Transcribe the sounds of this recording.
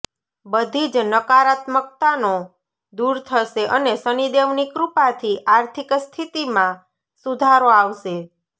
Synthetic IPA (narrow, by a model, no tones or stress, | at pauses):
bəd̪ʱid͡ʒnəkaɾat̪mək̚t̪ano | d̪uɾt̪ʰəʃeʔənesənid̪eʋnikɾupat̪ʰiʔaɾt̪ʰikst̪ʰit̪imã | sud̪ʱaɾoaʋʃe